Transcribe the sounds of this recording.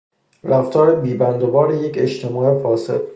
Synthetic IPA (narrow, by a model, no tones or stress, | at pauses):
ɾæft̪ʰɒːɾebiːbænd̪obɒːɾeje̞cʰeʃt̪ʰemɒːefɒːsḛd̪̥̚